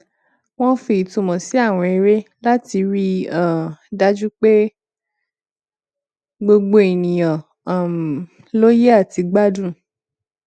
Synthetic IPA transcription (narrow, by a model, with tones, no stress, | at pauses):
w̃ɔ̃˦fi˧i˨tũ˧mɔ̃˨si˨˦a˦˨w̃ɔ̃˧e˧ɾe˦la˦ti˧ɾi˦a˦˨da˦d͡ʒu˦k͡pe˦ | ɡ͡bo˧ɡ͡bo˧i˨nĩ˨j̃ã˨˦˨ | lo˦je˦a˦˨ti˧ɡ͡ba˦dũ˦˨